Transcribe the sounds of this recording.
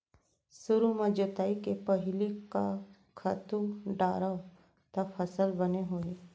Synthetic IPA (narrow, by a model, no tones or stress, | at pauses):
sʊɾumẽd͡ʒət̪aːikepɐɦɪlika | kʰat̪ũɖaːɾa | t̪ɐfʰɐsəlbɐneɦoːe